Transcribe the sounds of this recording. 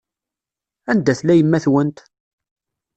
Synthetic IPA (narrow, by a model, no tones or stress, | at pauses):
ænd̪æθlæjəmːæθwənt̪